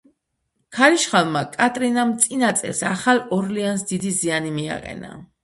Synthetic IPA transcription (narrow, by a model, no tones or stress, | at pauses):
kʰaɾiʃχalˠmakʼat̪ʼɾinamt̪sʼinat̪sʼḭlsaχalˠɔɾliansd̪id̪izianimia̰qʼɛ̰na̰